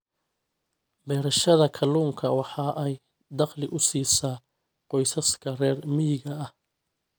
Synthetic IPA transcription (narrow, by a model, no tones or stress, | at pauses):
bɛːɾɐʃɐðɐkʰɐluːŋkʰɐwɑħɑːʔɛj | d̪ɑqlɪʔʊsiːsaː | qɔjsɐskʰɐrɛːrmɪjɪɣɐɐh